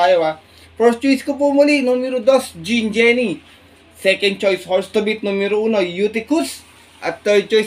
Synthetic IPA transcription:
ajwa | pɾɔst͡ʃuiskup̬umulinumiɾud̪ɔsd͡ʒind͡ʒɛni | sɛkɛnt͡ʃɔjshɔɾst̪əbit̪̚numiɾuunojut̪ikus | ʔa̰t̪ət͡ʃɔjs

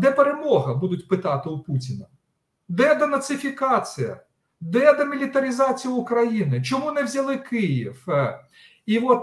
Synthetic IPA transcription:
d̪ɛpeɾemɔɦɐbud̪ʊtʲpɪt̪ɑt̪ɪʊputʲɪnɐ | d̪ɛd̪ɐnɐt̪sɪfʲikɑt͡sʲijɐ̰ | d̪ɛd̪ɐmʲilʲit̪ɐɾʲizɑt͡sʲijʊʊkɾɐjinɪt͡ʃɔmunɛwzʲɐlˠɪkɪjiw | iʋɔt̪

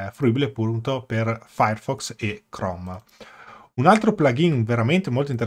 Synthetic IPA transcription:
fɾuibilepunt̪operfajerfɔksekɾɔm | unalt̪ɾoplaɡinveɾament̪emolt̪oint̪eɾ

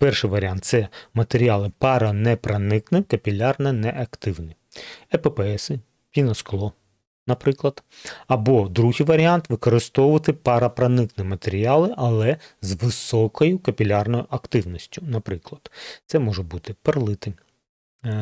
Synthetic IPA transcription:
pɛrʃɪjʋɐɾʲiant̪sɛmɐt̪eɾʲialˠɪpɑɾɐnɛpɾɐnɪknɪkɐpʲilʲɑrnɐnɛʔɐkt̪ɪwnɪ | ɛpɛpɛɛsɪ | pʲinɐsklˠɔ | nɐpɾɪklˠɐd̪ | ɐbɔd̪ɾuɦijʋɐɾʲiant̪ʋɪkɔɾɪst̪ɔwʊʋɐt̪ɪpɑɾɐpɾɐnɪknɪmɐt̪eɾʲiɑlˠɪʔɐlˠɛzʋɪsɔkɔjʊkɐpʲilʲarnɔjʊʔɐkt̪ɪwnɔsʲtʲʊnɐpɾɪklˠɐd̪̥t̪sɛmɔʒɛbut̪ɪperlˠɪt̪ɪm

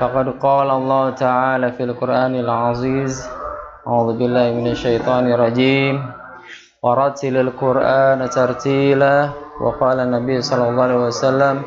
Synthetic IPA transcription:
fɑqɑd̪qɑːlaʔɑlˤːɑːhʊt̪aʕaːlaːfialqʊɾʔaːnalʕɑziːzaʕuːðʊbɪlːaːhɪmɪnaʃːajt̪ˤɑːnɪrˤːɑd͡ʒiːm | wɑɾˤɑt̪ɪlalqʊɾʔaːnat̪ɑɾˤt̪iːlawʔɑ̰qɑːlanːabijːsˤɑlːɑlˤːɑːwasalːam

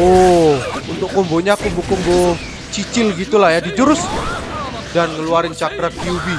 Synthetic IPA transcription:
o | unt̪ʊkːɔmboɲaːkumbokɔmbo | t͡ʃit͡ʃɪlɡit̪ulahjadid͡ʒuɾʊs | danŋəluaɾɪnt͡ʃakɾakiubi

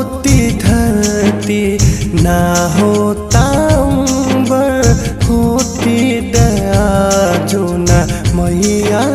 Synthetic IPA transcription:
t̪id̪ʱɐɾt̪inaɦot̪aũbʌɾkʰot̪id̪ɐjad͡ʒunamʌɦia

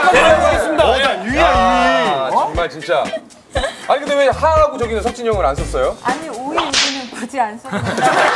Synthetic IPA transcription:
eɾaas͈ɯmidaajuja | t͡ɕʌŋmaɭt͡ɕint͡ɕ͈a | aɭket͈emehaɦaɡut͡ɕʌɡinɯnsʰʌk̚t͡ɕʰiɲjʌŋɯɾans͈ʌs͈ʌjoaɲioiuɡɯnɯnpad͡ʑians͈ʰʌ

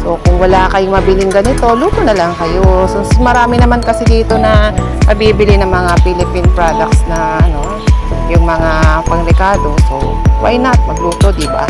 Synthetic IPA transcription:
so̞kʊŋwɐlakɐjʊŋmɐbilɪŋɡɐnɪt̪o̞luːt̪onɐlɐŋkɐjososmɐɾaːmɪnɐmankɐsɪd̪iːt̪o̞nɐ | nɐbibɪlɪnɐŋmɐŋapilɪpɪnpɾad̪ɐk̚t̪snɐ | ʔɐno̞ | jʊŋmɐŋapɐŋɾɛkaːd̪o̞so̞̰ | wa̰jnɐt̪̚mɐɡluːt̪o̞d̪iba̰

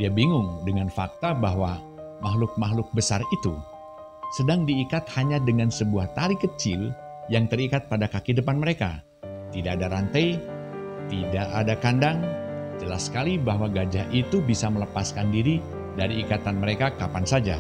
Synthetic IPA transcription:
diabiŋʊŋdəŋanfak̚t̪abaɦwa | maɦlʊk̚maɦlʊk̚bəsarit̪u | sədaŋdiːkat̪̚haɲadəŋansəbuaht̪aɾikət͡ʃɪl | jaŋt̪əɾikat̪̚padakakidəpanməɾeka̰ | t̪idaʔːdaɾant̪aj | t̪idaʔadakandaŋd͡ʒəlasə̥kalibaɦwaɡad͡ʒaʔit̪ubisamələpaskandiɾi | daɾiːkat̪anməɾekakapansad͡ʒa̰

